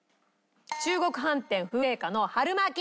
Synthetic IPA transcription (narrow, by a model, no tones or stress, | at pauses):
t͡ɕɨːɡo̞kɯ̟ɦãnt̪ẽ̞ɰ̃ɸɯ̟e̞ːkano̞haɾɯ̟makʲ